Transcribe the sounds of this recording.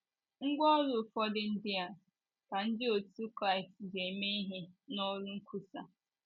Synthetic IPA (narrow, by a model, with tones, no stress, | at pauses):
ŋ̩˦ɡʷɔ˦ɾʊ˨fɔ˦dɪ˦n̩˦dɪ˦a˨ | ka˨n̩˦dɪ˦o˨tu˦kɾa˦˨ɪ˨stze˨me˦i˦ɦɪ˦nɔ˦ɾʊ˦ŋ̩˦kʰʷu˦sa˨